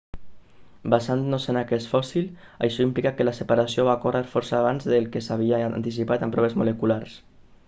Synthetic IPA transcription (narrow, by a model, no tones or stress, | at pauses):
basannozenakɛsfɔsil | a̰jʃɔimplikakəlasepaɾasioβakoreɾfɔɾsaːβ̞anzðelˠkesaβ̞iant̪is̬ipat̪ampɾɔβ̞ezmolekulaɾs